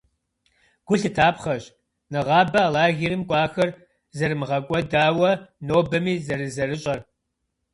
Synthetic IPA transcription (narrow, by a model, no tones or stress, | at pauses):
ɡ̥ʷʊɬɨtʰaːpχɐɕ | nɨʁɑːbɐaːlaːɣiɾɨmkʷʼɑːxɐr | zɐrɨmɨʁɐkʷʼɔdaːwɐnoːbɐmiːzɐɾɨzɐrɨɕʼɐr